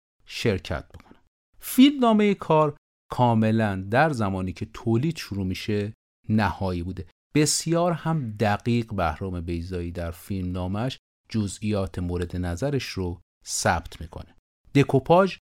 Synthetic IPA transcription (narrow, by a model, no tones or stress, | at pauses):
ʃe̞ɾcʰæ̰t̪̚b̥ekʰo̥næ | filmnɒːme̞jekʰɒːɾ | kʰɒːme̞lænd̪æɾzæmɒːniːcʰe̞t̪ʰoːliːd̪̥ʃuɾuːmiʃe | næhɒːjiːbuːd̪e̞ | b̥e̞sjɒːɾhæmd̪æɡiːɢbæhɾɒːme̞be̞jzɒːjiːd̪æɾfilmnɒːmæʃ | d͡ʒozijɒːt̪ʰemoːɾe̞d̪enæzæɾeʃɾo | sæ̰bt̪ʰmiːkʰo̞̰ne | d̪̥e̞kʰopʰɒːʒ